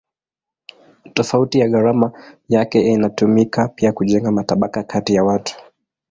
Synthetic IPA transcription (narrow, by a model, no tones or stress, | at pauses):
tɔfautijaɣaɾamajakɛinatumikapiakuʄɛŋɡamataɓakakʰatijawatu̥